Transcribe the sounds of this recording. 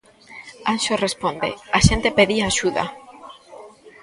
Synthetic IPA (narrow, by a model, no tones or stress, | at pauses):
anʃorespond̪ḛaʃent̪epeðiaːʃuða̰